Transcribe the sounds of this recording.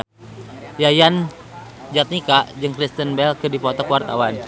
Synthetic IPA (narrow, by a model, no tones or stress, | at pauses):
jajan | d͡ʒat̪̚nikaʔd͡ʒɨŋkɾist̪ənbɛlkɨdipɔt̪ɔkuwart̪a̰wan